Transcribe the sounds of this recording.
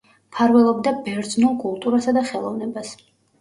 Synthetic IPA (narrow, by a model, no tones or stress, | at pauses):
pʰaɾvɛlˠɔb̚d̪abɛɾd̪znulˠkʼulˠt̪ʼuɾasad̪aχɛlˠɔvnɛbas